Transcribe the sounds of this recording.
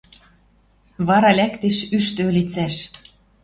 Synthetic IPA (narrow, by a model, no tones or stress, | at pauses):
βɑɾɑlʲækt̪eʃyʃt̪ølʲit͡sæʃ